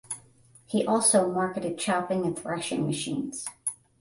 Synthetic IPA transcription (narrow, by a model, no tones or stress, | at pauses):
hiʔɔlˠsoʊmɑɹkɨɾɨd̚t͡ʃʰaʊpɪ̃ŋɨ̃nθɹɛʃɪ̰̃ŋmɨʃḭ̃nz̥